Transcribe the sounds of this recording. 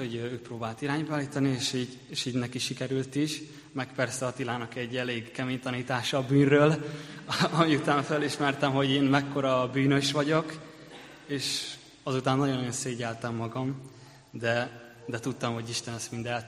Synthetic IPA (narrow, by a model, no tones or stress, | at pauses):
hoɟøøːk̚proːbaːlt̪iɾaːɲbaːliːt̪ɒnieːʃiːɟ | eːʃiːɟnɛkiʃikɛɾylt̪iʃ | mɛkpɛrsɛɒt̪ilaːnɒkɛɟːɛleːɡkɛmeːɲt̪ɒniːt̪aːʃɒːbyːnrøːl | ɒmiut̪aːnføliʃmɛrt̪ɛmɦo̞ɟeːnmɛkːo̞ɾɒbyːnø̞ʃʋɒɟok | eːʃ | ɒzut̪aːnːɒjonːɒjo̞nseːɟɛlt̪ɛmːɒɡɒm | d̪ɛ | d̪ɛt̪ut̪ːɒmho̞ɟiʃt̪ɛnɛst̪mind̪ɛlt̪